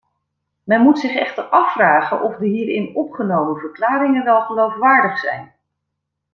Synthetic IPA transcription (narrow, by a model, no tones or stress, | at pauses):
mɛnmutsɪχɛχtəɹɑfːraːχənʔɔvdəɦiːɾɪnɔpχənowmənvəɹklaːɾɪŋənʋɛlˠχəlowfʋaːɹdəχsɛ̰jn